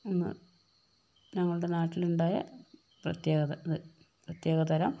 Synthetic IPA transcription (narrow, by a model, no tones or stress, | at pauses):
enːɨ̰ | ɲɐŋːɐɭuɽe̞naːʈːiluɳɖaːjɐ̰ | prɐt̪jeːɣɐɐɐðɨ | prɐt̪je̞ːɣɐt̪ɐɾɐ̰m